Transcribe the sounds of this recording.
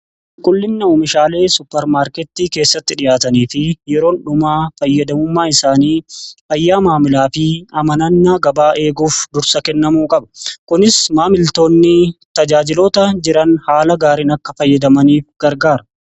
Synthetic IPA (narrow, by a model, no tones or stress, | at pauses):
kʼʊlːɪnːɐuːmɪʃaːle̞ːsʊpːɛɾmaːɾkɛt̪ːiːke̞ːsːɐt̪ːɪᶑɪjaːt̪ɐniːfɪjɛɾo̞ːnᶑʊmaːfɐjːɐd̪ɐmʊmːaːɪsaːniːɐjːaːmaːmɪlaːfɪɐmɐnɐnːaːɡɐbaːʔe̞ːɡuːfd̪ʊɾsɐkɛnːɐmuːkʼɐbɐkʊnɪsmaːmɪlt̪o̞ːnːɪt̪ɐd͡ʒaːd͡ʒɪloːt̪ɐd͡ʒɪɾɐnhaːlɐɡaːɾinɐkːɐfɐjːɐd̪ɐmɐniːfɡ̥ɐɾɡaːɾɐ